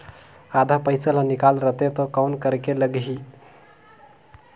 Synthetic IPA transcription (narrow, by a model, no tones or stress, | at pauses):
ad̪ʱapəjt͡sələnikalɾət̪et̪ɔkawnkəɾkeləɡɦi